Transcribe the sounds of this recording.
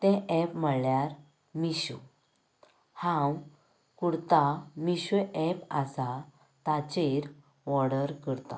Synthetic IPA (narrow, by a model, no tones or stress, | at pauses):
t̪ɛ̃ɛpm̤əɭljaɾ | miɕṵ | hãw | kuɽt̪amiɕuɛpasa | t̪at͡ɕeɾ | ʋɔɽəɾkəɾt̪ã̰